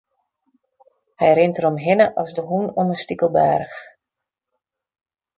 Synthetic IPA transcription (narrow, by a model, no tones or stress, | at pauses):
hɛjrɪntəɾɔmɦɪnəʔɔsdəɦunonəstikəlˠba̰ːɾəx